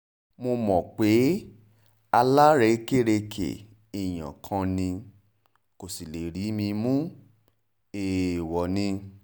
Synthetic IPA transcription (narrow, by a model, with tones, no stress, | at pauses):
mo˧mɔ̃˨k͡pe˨˦ | a˧la˦ɾe˧˦ke˦ɾe˧kʰḛ˨ | i˨j̃ã̰˨kʰã˧nĩ˧ | ko˨si˨le˨ɾi˨˦mĩ˧mũ˦ | e˨wɔ˨nĩ˧